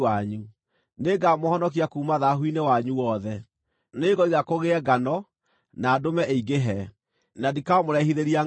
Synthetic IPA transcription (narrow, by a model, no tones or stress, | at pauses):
aɲu | neɡamohɔnɔk̬iakuːmaðaɦwinewaɲuwɔðɛ | neɣɔiɣakoɣeɛɡanɔ | naːdomɛʔeiɡeɦɛ | nadikaɔmoɾɛhiðeɾia